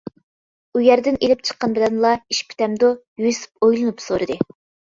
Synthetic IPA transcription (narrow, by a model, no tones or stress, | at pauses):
ujæɾd̪ɪnelɪp̚t͡ʃʰə̥qːɑnbɪlɛnlˠɑiʃpʰi̥t̪ɛmd̪ojujsɨ̥p̚ojlˠɨnupsoɾɨd̪ɨ